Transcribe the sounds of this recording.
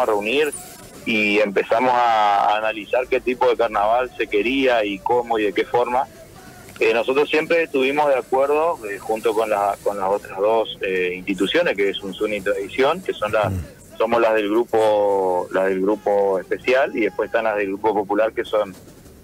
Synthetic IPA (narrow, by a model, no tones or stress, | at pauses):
areuniɾ | ie̞mpe̞samo̞sa̰ːnalisaɾke̞t̪ipo̞ð̞e̞kaɾnaβalse̞ke̞ɾiaikomo̞iðe̞ke̞foɾma | eno̞so̞t̪ɾosje̞mpɾet̪uβimoɦðeakweɾð̞o̞exunt̪o̞ko̞nlako̞nlasot̪ɾaðoseinst̪it̪usjo̞neskeesunsunit̪ɾaðisjo̞ŋke̞so̞nla | so̞moslazð̞e̞lɣɾupolaðe̞lɣɾupo̞espe̞sjaliðehpweseht̪anlaðe̞lɣɾupo̞po̞pulaɾke̞so̞n